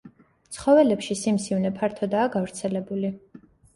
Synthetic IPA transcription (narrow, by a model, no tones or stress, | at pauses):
t̪sχɔvɛlɛpʃisimsivnɛpʰaɾt̪ʰɔd̪aːɡavɾt̪sʰɛlɛbuli